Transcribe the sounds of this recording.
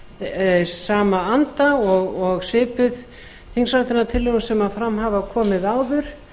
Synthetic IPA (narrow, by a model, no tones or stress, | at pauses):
saːmaant̪aɔɣɔɣsɪːpʏð | θiŋsawt̪ɪnat̪ʰɪlːensɛmanfɾamɦavakʰɔːmɪðaːwðʏɾ̥